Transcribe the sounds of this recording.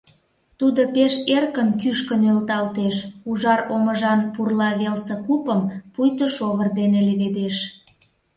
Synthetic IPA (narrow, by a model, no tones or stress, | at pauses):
t̪ud̪opeʃerkənkyʃkənølt̪ɑlt̪eʃuʒɑroməʒɑnpurlɑβelsə̆kupəmpujt̪əʃoɣərd̪eneleβed̪eʃ